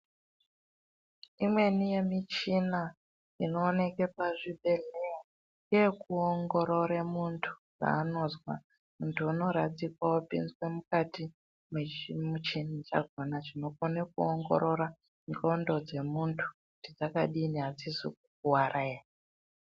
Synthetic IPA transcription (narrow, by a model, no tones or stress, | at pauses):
imwe̞nije̞mit͡ʃina | ino̞ːne̞ke̞paʐibʱe̞leo | ŋekuoŋɡo̞ɾo̞ɾemuntʰu̥d͡za̰ːno̞zwa̰ | muntʰuuno̞ɾad͡zikwaopḭnzwe̞mukati | memut͡ʃinit͡ʃa̰ɡʱonaʐino̞konek̚uoŋɡo̞̰ɾo̞ɾa | ŋɡo̞ndo̞d͡ze̞muntʰu̥kutid͡zaka̰ɗiniɦad͡zisikuk̚uwarʔaea